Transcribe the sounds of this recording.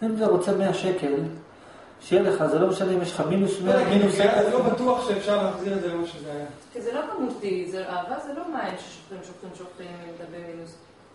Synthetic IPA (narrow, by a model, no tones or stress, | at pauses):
imzeʁot͡semeaʃekel | ʃejeleχazelomeʃaneimjeʃχamimleʃneamiezelobat̪uaχʃeːfʃaʁleaχziʁedzeoʃezekizelokamut̪izeʔaːvazelo̞maenʃe̥ʃo̥χlemʃuχemʃoχt̪aimeled̪abeʁijos